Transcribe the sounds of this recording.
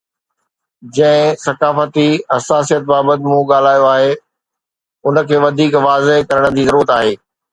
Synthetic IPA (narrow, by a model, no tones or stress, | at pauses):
d͡ʑɐ̃ɦɪ̃sɐkaːfət̪iɐsaːsijət̪̚baːbət̪ɪmũɠaːl̤aːjoaːɦe | ʊnə̆kʰeːʋɐd̪ʱiːkʋaːzeɦkɐɾəɽ̃̆d͡ʑiːzɐɾuːɾət̪aːɦeː